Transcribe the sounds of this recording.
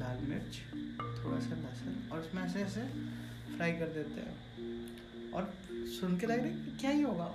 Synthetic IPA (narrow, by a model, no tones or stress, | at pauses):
laːlmɪɾt͡ʃt̪ʰoːɽa̰sanasənɔːɾɪsmɛ̃sese | pʰɾaːjkɐɾd̪et̪ḛɦɛ̰̃ | ɔːɾ | sʊnkelaɡɾekkjaɦiɦoːɡa